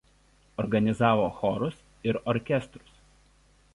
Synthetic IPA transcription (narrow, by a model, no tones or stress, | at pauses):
ɔɾɡɐnʲɪzɑːʋoːxɔɾʊs | ɪɾɔɾʲkʲɛst̪ɾʊ̥s